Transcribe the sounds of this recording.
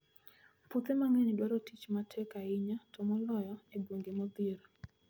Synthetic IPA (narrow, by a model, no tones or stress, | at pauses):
pʊt̪ɛmaŋenɪdwaɾotit͡ʃmatʰɛkaɪɲatʰomɔlɔjɔedwoŋɡemɔd̪iɾɔ